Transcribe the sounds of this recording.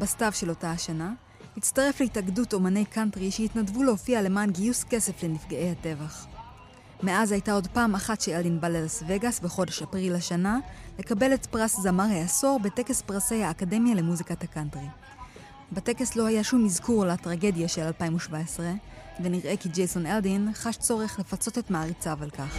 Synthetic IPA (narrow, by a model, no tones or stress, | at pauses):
bastavʃe̞lo̞tahaʃana | hit͡staʁe̞fleitaɡduto̞mane̞jkantʁiʃehitnadvulehofiale̞maːnɡijuske̞se̞fle̞nifɡaʔe̞jhate̞vaχ | me̞ʔazhajtao̞dpaːmaχatʃeeldinbalelasve̞ɡasveχo̞de̞ʃapʁilaʃanale̞kabe̞letpʁaszamaʁeaso̞ʁbe̞te̞ke̞spʁase̞jhaːkade̞mjale̞muzikatakantʁi | bete̞ke̞slo̞hajaʃumizkuʁlatʁaɡe̞djaʃelalpaimuʃvaesʁeve̞niʁʔe̞kid͡ʒejso̞neldinχaʃt͡so̞ʁe̞χle̞fat͡so̞te̞tmaːʁit͡savalkaχ